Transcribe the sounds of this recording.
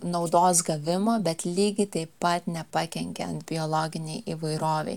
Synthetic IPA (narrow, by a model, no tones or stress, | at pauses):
nɒʊd̪oːsɡɐʋʲɪmoːbʲɛt̪lʲiːɡʲɪt̪ɐɪpːɐt̪nʲɛpɐkʲɛŋʲkʲɛɐ̰nt̪bʲɪolˠoːɡʲɪnʲɛɪʔiːʋɐɪɾoːʋʲɛ̰ɪ